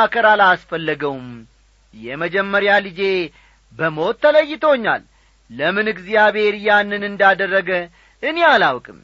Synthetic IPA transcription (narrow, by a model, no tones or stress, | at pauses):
akəɾalasfəlːəɡəwm | jɛməd͡ʒɛmːəɾjalid͡ʒe̞ | bəmo̞t̪ʰːələjːɪt̪ʰoɲːa̰lː | əmɨnɨɡzijaβe̞ɾjanːɨnɨnd̪ad̪ərːəɡə | ʔɨnealawkʼɨm